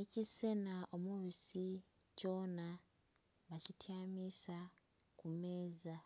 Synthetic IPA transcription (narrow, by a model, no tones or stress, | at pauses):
ecise̞naʔo̞muβisi | co̞ːna | βacitʰjaːmisa | kume̞ːza